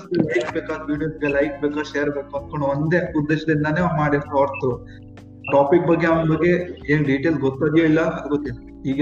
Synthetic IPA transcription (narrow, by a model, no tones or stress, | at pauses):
selɐjkbeːkaːd̪uʋiːɖijosɡelɐjk̚beːkaɾʃeːɾbeːkuɐn̚kɐɳuʋond̪eud̪ːeːʃɐd̪inːɐneamaːɽeoːɾt̪u | ʈaːpik̚bɐɡːeambɐɡːe̞eːnɖiʈelsɡot̪ːad̪ijoːilːɐɐd̪ɡot̪ːen | iːɡɐ